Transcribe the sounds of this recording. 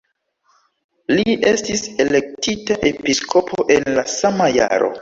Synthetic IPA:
lie̞stise̞le̞k̚titaʔepiskʰo̞pʰoʔe̞nlasamaja̰ɾo̞̰

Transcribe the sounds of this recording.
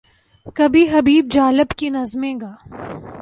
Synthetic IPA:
kɐbʱiɦɐbiːb̚d͡ʒaːlɪbkinɐzmẽːɡaː

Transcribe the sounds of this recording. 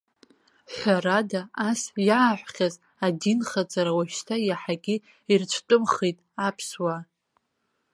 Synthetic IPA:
ħʷaɾadaasjaːħʷχʲaz | adinχat͡sʼaɾawaʃtʰajaħaɡʲɪ | irt͡ʃʷʰtʼʊmχejtʼapʰswa

